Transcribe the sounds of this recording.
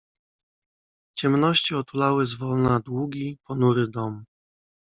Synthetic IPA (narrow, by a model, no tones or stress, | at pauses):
t͡ɕɛmnɔɕt͡ɕiɔt̪ulawɘzvɔlnad̪wuɡʲipɔnuɾɘd̪ɔm